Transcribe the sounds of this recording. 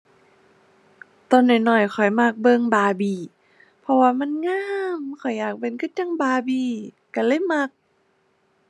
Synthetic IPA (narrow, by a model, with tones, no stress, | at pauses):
t̪ɔ˧˨nda˨˩jnɔ˨˩jxʰɔ˨˩jmaː˧˩k̚bɤ˧ŋbaː˧biː˧˩ | pʰɔ˧waː˧ma˧˥˨nŋaː˧˥˨mkʰɔ˨˩jːaː˨˩k̚pe˧˨nkʰɯ˧˥˩t̪̚ja˧˥˨ŋbaː˧biː˧˩ | ka˧˩lɤ˧˥˨mːa˧k̚